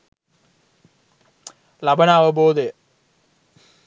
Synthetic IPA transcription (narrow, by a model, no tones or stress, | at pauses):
lɐbɐnaːʋɐboːd̪ej